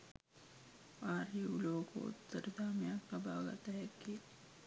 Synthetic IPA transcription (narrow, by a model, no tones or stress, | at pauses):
aːɾuloːko̰ʊ̰t̪ːəɾd̪ʱaːmijakabʱaːɡa̰t̪ɐɦɛkːi